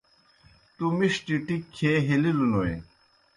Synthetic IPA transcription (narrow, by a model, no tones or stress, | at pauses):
t̪umiʂʈiʈikʰːeɦelilunowḛ